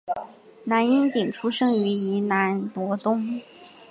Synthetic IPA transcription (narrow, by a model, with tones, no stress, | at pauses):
na˧˥ni˥nt̪i˨˩ŋʈ͡ʂʰu˥ʂɤ˥ŋy˧˥i˧˥na˧˥npwɔ˧˥t̪ʊ˥ŋ